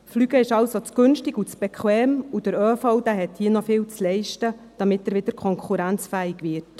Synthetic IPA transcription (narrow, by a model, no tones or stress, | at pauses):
flyɡəɪʃɑwsot͡sɡ̥ʏnʃtɪɡut͡sb̥ɛkʰwɛːmud̥əɾøːfoʊdæːɦɛthiːənɔfɪːwt͡slɛɪʃtəd̥ɑmɪtəɾʋɪd̪̥əɾkʰɔŋkʰχuɾænt͡sfæːɪɡʋɪt